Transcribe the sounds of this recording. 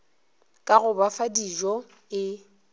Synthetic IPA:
kʼaɣʊbafadid͡ʒɔ | ɪ

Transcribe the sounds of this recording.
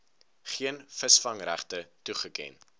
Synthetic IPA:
χiənfəsfɐŋræ̰χtətuχəkɛ̰n

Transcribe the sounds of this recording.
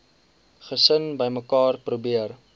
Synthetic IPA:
χəsənbəjməkɑːrprubiər

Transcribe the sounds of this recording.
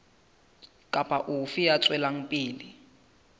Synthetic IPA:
kʼapʼaʔufijat͡sʼwɛlaŋ̩pʼiːli

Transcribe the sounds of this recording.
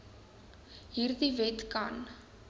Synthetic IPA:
ɦiːrdivɛtkɐ̰n

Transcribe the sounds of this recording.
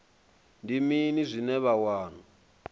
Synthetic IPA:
ndiminizʷinɛβawaːn̤u

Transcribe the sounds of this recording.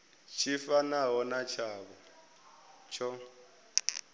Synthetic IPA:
t͡ʃʰifanaɦɔnat͡ʃʰaːβɔ | t͡ʃʰɔ

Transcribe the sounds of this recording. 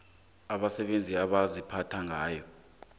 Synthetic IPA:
aɓasɛɓend͡zʱiaɓazipʰatʰaŋʱaːjɔ

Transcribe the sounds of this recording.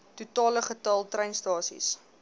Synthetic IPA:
tutɑːləχətɐlˠtrɛjnstɑːsḭs

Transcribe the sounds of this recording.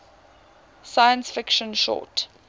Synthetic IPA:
sajə̃nsfɪkʃə̃nʃɔ̰ˑt

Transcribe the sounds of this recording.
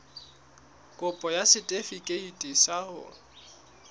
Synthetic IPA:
kʼʊpʼɔjasɪtʼefikʼeitʼisahʊ̰

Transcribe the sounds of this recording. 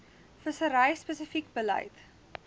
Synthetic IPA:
fəsəɾəjspəsəfikbəlɐ̰jt

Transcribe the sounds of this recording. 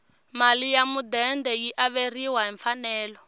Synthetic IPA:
malijamud̪ɛndɛjiʔaβeriwaɦɛɱfanɛːlɔ

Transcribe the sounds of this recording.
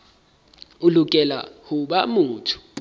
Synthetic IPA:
ulukʼɛla̰huɓamuːtʰu̥

